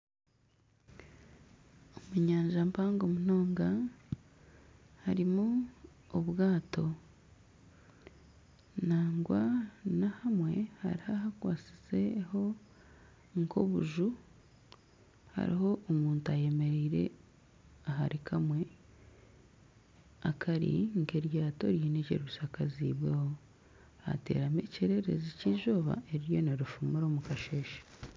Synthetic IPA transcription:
omuɲaːɲʒampaːŋɡomun̥o̞ːŋɡa | haɾimu | oβwaːto̞ | naːŋɡwanahamwe̞̰ha̰ɾihahakwaːt͡si̥se̞ho̞ | ŋkʰo̞̰βṵʒu | ha̰ɾḭɦo̞ʔomuːntuaje̞me̞ɾiːɾe̞̰ | aɦaɾikʰamwe̞ | akʰaɾḭŋke̞ɾjeɾato̞̰ɾjiːnecḛɾisakaziːβwe̞ho̞ | a̰te̞̰ɾamḛceɾe̞ɾe̞̰ziciʒoːβa̰ʔe̞ɾiɾjo̞neɾufumuɾomukaʃeːʃḁ

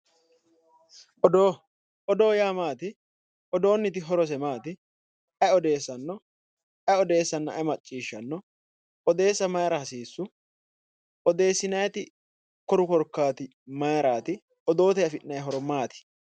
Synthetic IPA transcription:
ʔɔd̪oː | ʔɔd̪o̞ːjaːmaːt̪ɪ | ʔɔd̪o̞ːnːɪt̪ɪɦɔɾɔs̬ɛmaːt̪ɪ | ɐjɔd̪e̞ːsːɐnːɔ | ʔɐɔd̪e̞ːsːɐnːɐɐmɐt͡ʃʼːiːʃːɐnːɔ | ʔɔd̪e̞ːsːɐmɐjɾɐhɐsiːsːʊ | ʔɔd̪e̞ːsːɪnɐjɐt̪ɪ | kɔɾʊkɔɾkːaːt̪ɪ | mɐjɾaːt̪ɪ | ɔd̪o̞ːt̪ɛɐfɪnnːɐjɦɔɾɔmaːt̪ɪ̥

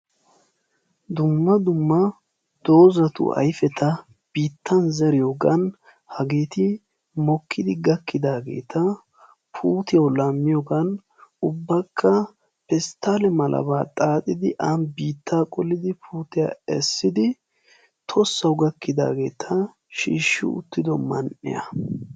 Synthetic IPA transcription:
d̪ʊmːɐd̪ʊmːɐ | d̪̥o̞ːzɐt̪ʊ̰ʔɐ̰jfɛt̪ʰɐ | b̥iːt̪ːɐnzɛɾɪjoːɡɐn | hɐɡeːt̪ɪ | mɔkʰːɪd̪ɪɡɐkːɪd̪aːɡe̞̰ːt̪ʰɐ | pʰuːt̪ɪjɐwlɐmːɪjɔɡɐn | ʊbːɐkʰːɐ | pɛst̪ːaːlɛmɐlʔɐ̰βaːt̪ʼaːt̪ʼɪd̪ɪʔɐnbiːt̪ːaːkʼɔlːɪd̪ɪpʰuːt̪ɪja̰ːɛsːɪd̪ɪ | t̪ʰɔsːɐwɡɐkːɪd̪a̰ːɡe̞̰ːt̪ʰɐ | ʃḭːʃːɪ̰ʊ̰t̪ːɪd̪ɔmɐnʔɪ̰jɐ̰

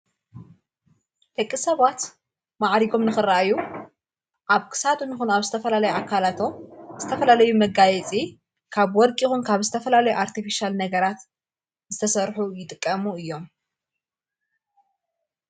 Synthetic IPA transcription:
d̪̥ɐkʼːisɐβat̪ | maʕɾiɡo̞mnɨxɨrːaʔaju | ʔaβkʰɨ̥sad̪unixunaβzɨt̪ʰɐfɐlalɐjuʔakʰːalat̪ʰo̞z̥ɨt̪ʰɐfɐlalɐjumɐɡajɛt͡sʼi | kʰaβwɔlkʼixunkʰaβzɨt̪ʰɐfɐlalɐjuʔaɾt̪ʰifiʃalnɐɡɐɾat̪ | zɨt̪ʰɐsɐɾħujɪt̪ʼɨkʼːɐmuɨjːo̞m

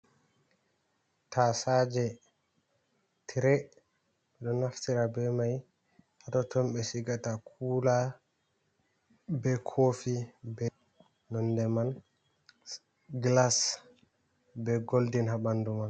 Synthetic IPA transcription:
tasad͡ʒɛ | tʰiɾɛ | ɓɛɗɔnaftiɾabɛmaj | hatɔtʰɔmɓɛsiɡatakʰuːla | bɛkʰofibɛ | nɔndɛman | ɡlas | bɛɡoldinhabanduman

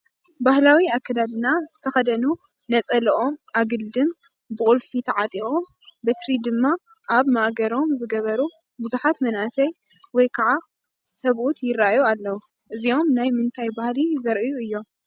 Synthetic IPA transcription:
bahlawiakʰːad̪ad̪ɨnaz̥ɨt̪ʰɐxɐd̪ɐnu | nɐt͡sʼɐlɐʔo̞mʔaɡɨld̪ɨn | bɨkʼulfit̪ʰɐʕat̪ʼio̞m | bɨt̪ɾid̪ɨmːa | ʔaβmaʔɡɐɾo̞mzɨɡɐβɐɾu | buzuħat̪mɐnʔasɐj | wɔjkʰaʕa | sɐβʔut̪jɪɾːajualːɐwu | ʔɨzio̞mnajmɨnt̪ʰajbahlizɐɾʔɨjuɨjːo̞m

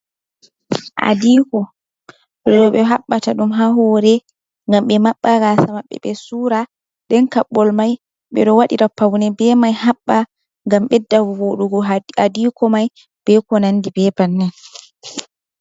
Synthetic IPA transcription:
ʔa̰diːkɔ | ɗɔɗɔɓɛɦaɓːataɗumɦaɦɔɾɛ | ŋɡamɓɛmaɓːaɾasamaɓːɛ̰ɓɛsuːɾa | ɗɛnkaɓːɔlmaj | ɓɛ̰ɗɔwaɗiɾapawnɛbɛmajhaɓːa | ŋɡamɓɛdawwoɗuɡɔadikɔmaj | b̥ɛkɔnanːdibɛbanːɛn

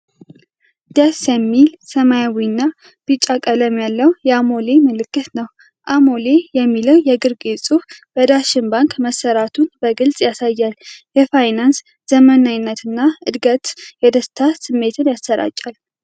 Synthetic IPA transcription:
d̪̥asɛmːilsəmajawinːa | b̥ɨt͡ʃʼːakʼələmjalːəwjɛamo̞le̞məlɨkːɨt̪nəw | ʔamo̞lejɛmːiləwjɛɡɨɾɡisʼufb̥əd̪aʃɪnbaŋkməsːəɾat̪ʰunbəɡɨlsʼjasajːaljɛfajnans | z̥əmənaɲnːət̪ɨnːaɨd̪ɡət̪jɛd̪əst̪ʰasɨmːe̞t̪ʰɨnjasəɾa̰t͡ʃʼːal

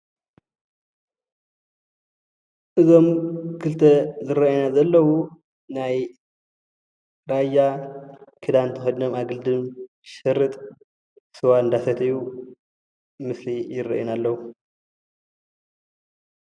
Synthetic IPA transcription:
ʔɨzo̞mkʰɨlt̪ʰɐzɨɾɐʔnazɐlːɐwu | naj | ɾaja | kʰɨd̪ant̪ʰɨxodnomaɡɨld̪ɨm | ʃɐɾːɨt̪ʼ | sɨwaɨnd̪asɐt̪ʰɐju | mɨslijɪrːɐ̰ʔjinalːɐwu

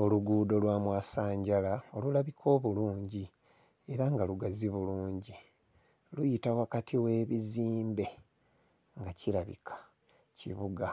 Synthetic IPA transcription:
o̞luɡuːdo̞lwaːmwaːsaːɲɟalao̞lulaβikʰo̞ːβuluːɲɟi | e̞ɾaŋɡaluɡaziβuluːɲɟi | lujitawakatʰiwe̞ːβiziːmbe̞ | ŋɡacʰiɾaβḭkʰḁ | cʰḭβuɡa

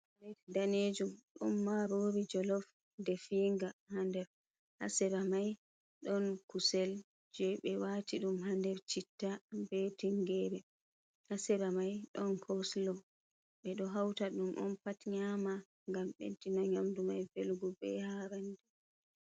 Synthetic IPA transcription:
ɾɛtdaned͡ʒumɗṵmːaɾoːɾid͡ʒɔlɔf | dɛfiːŋɡahandɛɾ | ha̰sɛɾamaj | ɗɔnkusɛl | d͡ʒɛɓɛwatiɗumɦandɛɾt͡ʃitːabetiŋɡɛːbɛ | hasɛɾamajɗɔnkʰɔslɔw | ɓɛɗɔɦawtaɗumʔɔ̰npatɲama | ŋɡamɓḛntinɔɲamdumajfelɡubɛ̰haːɾandɛ

